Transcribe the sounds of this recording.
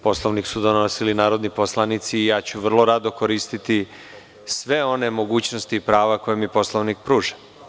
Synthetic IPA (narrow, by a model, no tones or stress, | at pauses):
po̞sloʋniksud̪onosilinaːɾod̪niposlˠanit̪siːjaːt͡ɕuʋr̩lˠo̞ɾad̪o̞koɾiːst̪it̪i | sʋe̞o̞ne̞mo̞ɡuːt͡ɕnost̪iːpɾaːʋako̞jemipo̞sloʋnik̚pɾuːʒḁ